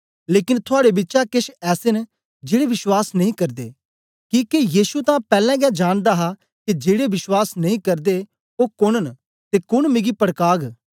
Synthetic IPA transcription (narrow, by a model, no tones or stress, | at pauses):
leːkɪnt̪ʰʊaːɽebɪtːʃakɪʃɛːsen | d͡ʒeːɽeʋɪswaːsnɐ̃ɦĩkɐɾd̪ḛː | kiːkejiːsut̪ãpɛːlɛ̃ɡɛd͡ʒaːɽ̃d̪aɦa | kid͡ʒeːɽebɪʃwaːsnɐɦĩkɐɾd̪e | okʊɽ̃ən | t̪ekʊɽmɪɡipɐɽkaːɡ